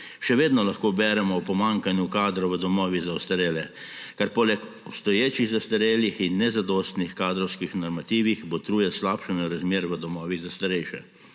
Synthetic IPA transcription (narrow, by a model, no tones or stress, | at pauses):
ʃɛʋeːd̪nɔlaxkoːbɛːɾɛmɔwpɔmaŋkanjukaːd̪ɾɔʋəd̪ɔmɔːʋizaɔst̪aɾeːlɛ | kaɾpoːlɛkɔpst̪ɔjeːt͡ʃiɣzast̪aɾeːljixinːɛzad̪ɔːst̪nixkaːd̪ɾɔwskixnɔɾmat̪iːʋixbot̪ɾuːjɛslaːpʃənaɾazmjeːɾʋəd̪ɔmɔːʋiɣzast̪aɾɛjʃɛ̰